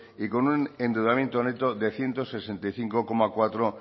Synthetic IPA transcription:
iko̞nunẽ̞nd̪uðamje̞nt̪one̞t̪oðe̞θje̞nt̪ose̞sent̪ajθiŋkoko̞makwat̪ɾo

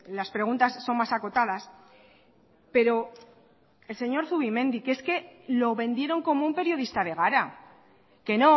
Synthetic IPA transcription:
laspɾe̞ɣ̞unt̪asːo̞nmasako̞t̪að̞as | pe̞ɾo̞ | e̞lse̞ɲo̞ɾθuβimẽ̞nd̪ikeske̞lo̞βẽ̞nd̪je̞ɾo̞ŋko̞moumpe̞ɾjo̞ð̞ist̪aðe̞ɣ̞aɾa | ke̞no̞

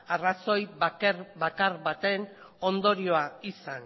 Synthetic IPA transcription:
araso̞jβaeɾbakaɾβat̪e̞n | o̞nd̪o̞ɾio̞aisan

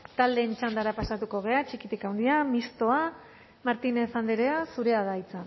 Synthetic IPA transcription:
t̪ald̪e̞ːnt͡ʃand̪aɾapasat̪uko̞ɣ̞e̞at͡ʃikit̪ikawnd̪iamist̪o̞a | maɾt̪inefand̪eɾeasuɾe̞aðait͡san

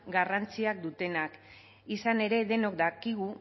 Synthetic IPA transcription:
ɡarant͡siak̚d̪ut̪e̞nak | isane̞ɾe̞ðe̞no̞kd̪akiɣ̞u

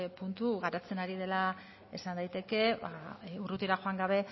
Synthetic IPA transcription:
punt̪uɣaɾat͡se̞naɾið̞e̞la | e̞sand̪ajt̪e̞ke̞βa̰urut̪iɾaxo̞aŋɡaβ̞e̞

